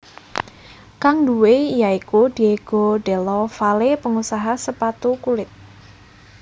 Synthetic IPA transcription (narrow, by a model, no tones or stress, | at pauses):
kaŋduweijaikud̪̥i̤eɡ̥o̤ɖɛ̤lɔfalepəŋusaɦasəpat̪ukulɪt̪̚